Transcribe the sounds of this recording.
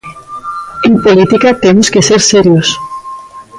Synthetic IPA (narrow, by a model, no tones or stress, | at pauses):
empolit̪ikat̪emuskeseɾseɾjos